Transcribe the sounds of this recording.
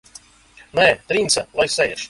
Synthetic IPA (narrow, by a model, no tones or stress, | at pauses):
nɛːt̪ɾint̪salˠajsɛjɛʃ